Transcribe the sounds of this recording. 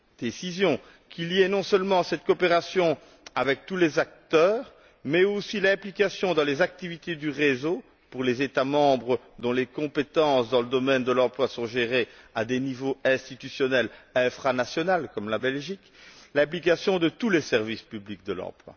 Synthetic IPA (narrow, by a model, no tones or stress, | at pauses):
d̪̥esizjɔ̃ | kʲʰiliɛnɔ̃səlmɑ̃sɛt̪̚kɔpeʁasjɔ̃ | avɛk̚t̪ulezak̚t̪œːʁ | mɛosilɛ̃plikasjɔ̃d̪ɑ̃lezak̚t̪ivit̪ed̪yʁezo | puʁlezet̪amɑ̃bʁə | d̪ɔ̃lekɔ̃pet̪ɑ̃sd̪ɑ̃ləd̪ɔmɛnd̪əlɑ̃plwasɔ̃ʒeʁead̪enivoɛ̃st̪it̪ysjɔnɛlɛfχanasjɔnalkɔmlabɛlʒik | lɛ̃plik̬asjɔ̃d̪ət̪ulesɛʁvispyblik̚d̪əlɑ̰̃plwa̰